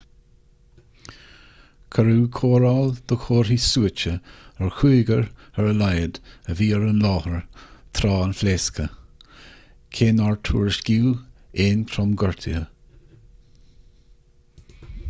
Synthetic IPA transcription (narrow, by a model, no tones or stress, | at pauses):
kʰəɾuːkʰoːɾald̪̥ɔxʰoːɹhisuːət͡ʃəəɹxuːɡəɹəɹəlajəd̪əviːɹunlɔːhəɹt̪ʰɾɑːənfleːskʰə | kʰeːnaɹtʰṵːɹəʃɡ̥iːeːnt̪ʰɾɔmɡɔɹt̪ʰɪhə